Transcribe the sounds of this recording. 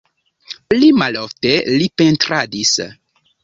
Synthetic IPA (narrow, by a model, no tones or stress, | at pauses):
limaloftelipentɾadis